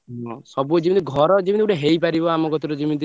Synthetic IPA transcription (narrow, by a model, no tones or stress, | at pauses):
ɦɔ̃sɔbuɔd͡ʒibint̪̬iɡʱɔɾɔd͡ʒibĩnt̪iuʈeɦejpaɾibɔamɔkɔt̪iɾɔd͡ʒimĩnt̪i